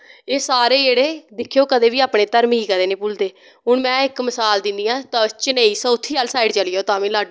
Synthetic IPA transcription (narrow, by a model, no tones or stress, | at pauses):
eːsaːɾeːd͡ʒeːɽeːd̪ɪkʰːjoːkəd̪eːʋiːaːpɳeːt̪əɾmiiːkəd̪eːnẽːpʊld̪eː | ɦʊɳmɛ̃ːɪkməsaːld̪ɪ̃nd̪iːãːt̪ãːt͡ʃəneːiːsəːʊt̪ʰːiːaːlsaːiɖt͡ʃəlɪjoːt̪ãːʋĩːlaːɖ